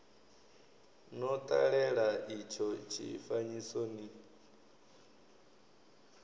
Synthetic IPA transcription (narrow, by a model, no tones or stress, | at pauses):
nɔt̪ʼa̰ɺɛɺaʔit͡ʃʰɔt͡ʃʰḭfaɲisoni